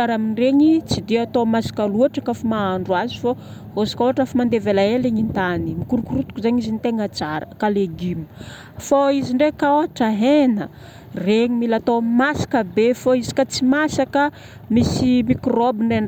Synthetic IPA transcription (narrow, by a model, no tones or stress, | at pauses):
aɾaminreɲit͡sid̪iat̪omasḁkaluaʈ͡ʂəkafumaaɳɖ͡ʐwazifo | ɦosi̥koaʈ͡ʂafamand̪evelaeleɲint̪animikuɾukuɾut̪u̥kuzaɲizint̪eŋət͡saɾə̰kaleɡimu̥ | foiziɳɖ͡ʐekaoaʈ͡ʂaɦenə | reɲimilat̪omasḁkəbefoizi̥kat͡simasakə | misimikrobinren